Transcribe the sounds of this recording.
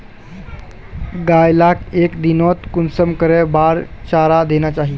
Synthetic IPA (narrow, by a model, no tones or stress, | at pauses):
ɡajlakekd̪inɔt̪kunsəmkəɾebaɾt͡ɕaɾad̪enjat͡ɕaɦi